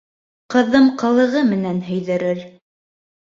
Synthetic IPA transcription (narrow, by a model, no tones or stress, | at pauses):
qɤ̆ðɤmqɤ̆lˠɤ̆ʁɤmɘ̆nænɦɵ̆jðɘ̆ɾɘɾ